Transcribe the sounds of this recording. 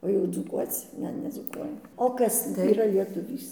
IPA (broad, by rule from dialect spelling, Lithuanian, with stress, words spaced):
oː jɛʊ d͡zuːˈkuɔt͡s ˈnʲɛ nʲɛd͡zuːˈkuɔjɛm oː ˈkɐs iːˈrɐ lʲiɛtʊˈʋʲiːs